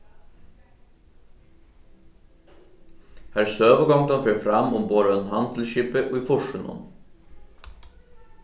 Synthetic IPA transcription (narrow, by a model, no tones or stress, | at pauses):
hæːɾsøːʋəɡɔŋd̪ɑnfœfɾɑmʊmboːd̪əɛnhɑnd̪l̩ʃiːpəʔoːiːfʊʃʉnɔ̰n